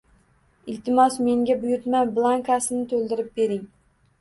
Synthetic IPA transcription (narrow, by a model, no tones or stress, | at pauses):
ɪlt̪ʰɪmɒsme̞ŋɡʲabʊjʊɾt̪manblˠaŋkasɪnɪt̪ʰolˠd̪ɪɾɪp̚be̞ɾɪŋ